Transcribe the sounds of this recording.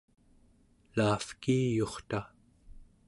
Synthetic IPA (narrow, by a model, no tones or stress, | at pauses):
laːfkiːjo̞χt̪a